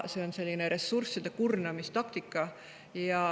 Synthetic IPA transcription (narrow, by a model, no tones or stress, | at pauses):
se̞onse̞lʲːineɾe̞sːursːid̪̥ekurnɑmist̪ɑkt̪ikːˑɑ | jɑ